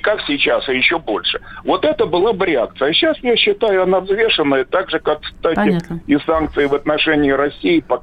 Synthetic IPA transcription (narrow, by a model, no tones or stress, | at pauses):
kaksʲɪt͡ɕasɪjɪɕːobo̞lʲʂɨvo̞t̪ɛt̪əbɨlˠabɾʲɪak̚t̪sɨjəɕːasjaɕːɪt̪ajʊɐnavzvʲe̞ʂɨnːəjət̪aɡʐɨkakst̪atʲɪɪsank̚t̪sɨɪvɐt̪nɐʂɛnʲɪːɪɾɐsʲːijɪpɐ